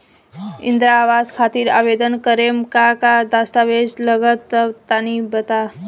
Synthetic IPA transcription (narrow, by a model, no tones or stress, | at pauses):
ḭnd̪ɾaːʋaskʰat̪iːɾa̰ʋed̪ənkəɾemkakad̪ast̪aʋesləɡət̪ːət̪anibət̪a